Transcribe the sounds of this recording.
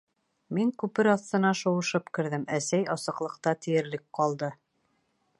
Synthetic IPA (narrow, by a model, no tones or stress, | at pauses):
miŋkʉpɘɾɑθt̪ɤ̆nɑʃŏwɤ̆ʃɤpkɘ̆ɾðɘmæsæjɑsɤ̆qlˠɤ̆qt̪ɑt̪ɘ̆jɘ̆ɾlɘk̚qɑlˠd̪ɤ